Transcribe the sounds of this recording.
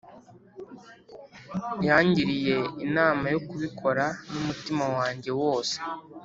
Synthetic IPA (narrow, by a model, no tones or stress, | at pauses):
jaːɲɟiɾije̞inaːmajo̞kuβikʰo̞ɾanumutimawaːɲɟe̞wo̞ːse̥